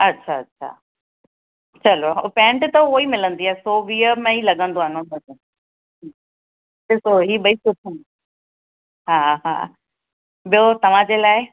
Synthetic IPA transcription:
ɐtːɕʰaɐtːɕʰa̰ | t͡ɕɐlopɛ̃ːʈt̪ɐoːimɪlə̃nd̪iaːesoːʋiːəmẽilɐɡʱə̃nd̪oaːnobɐd͡ʑə | ɪsoɦiːɓɐisʊʈʰən | ɦaɦa̰ː | ɓijot̪ɐʋ̤ãd͡ʑelaːɪ

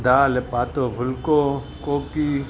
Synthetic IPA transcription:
d̪aːlepaːt̪obʱʊlko | koːki

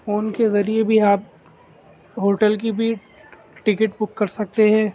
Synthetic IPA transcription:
foːnkezɐɾiebʱiaːp̚ | ɦoːʈəlk̬ibʱi | ʈɪkəʈbʊkːɐɾsɐk̚t̪eɦɛ̃ː

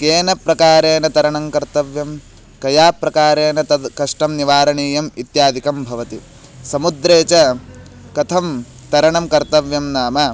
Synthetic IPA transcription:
keːnɐpɾɐkaːɾeːnɐt̪ɐɾɐɳɐmkɐɾt̪ɐʋjɐm | kɐjaːpɾɐkaːɾeːnɐt̪ɐkɐʂʈɐmniʋaːɾɐɳiːjɐmit̪jaːd̪ʱikɐmbʱɐʋɐt̪i | sɐmud̪ɾeːt͡ʃɐ | kɐt̪ʰɐm | t̪ɐɾɐɳɐmkɐɾt̪ɐʋjɐmnaːmɐ

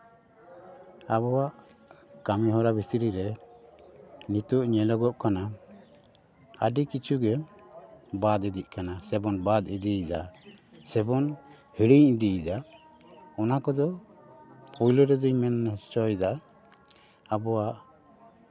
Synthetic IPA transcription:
abɔwaʔ | kamiɦɔɾabʱit̪iɾiɾɛ | nit̪uʔɲɛlɔɡɔʔkana | əɖikit͡ʃʰuɡɛ | bad̪ɛd̪iʔ̚kanasɛbɔnbad̪id̪iid̪asɛbɔn | hiɽiɲid̪iid̪a | ɔnakɔd̪ɔ | pʰɔjlɔɾɛd̪iɲmɛnt͡ʃɔjd̪a | abɔwaʔ

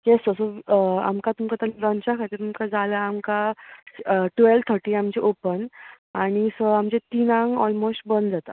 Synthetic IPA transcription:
jest̪əsəa̰mkat̪umkat̪alɾənt͡ɕakʰat̪iːɾt̪umkad͡zalaːmka | ʈʋelt̪ʰəɾʈiːamt͡ɕeʔopən | aɽ̃isəamt͡ɕẽt̪inãŋɡɔ̰lmosʈbənd̪d͡zat̪a̰

